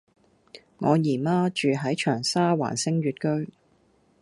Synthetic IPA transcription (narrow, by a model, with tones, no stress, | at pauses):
ŋɔː˨˧jiː˨˩maː˥t͡ʃyː˨ɦɐ˨˥jt͡ʃʰœː˨˩ŋsaː˥wa̰ː˨˩nsɪ˥ŋɥyː˨˧t̚kɵ˥ɥ